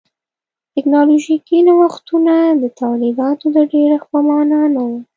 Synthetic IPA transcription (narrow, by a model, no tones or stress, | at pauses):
tɪknɑloʒikinawaxt̪unad̪ət̪alibɑt̪od̪əɖeɾaxpəmɑnanawu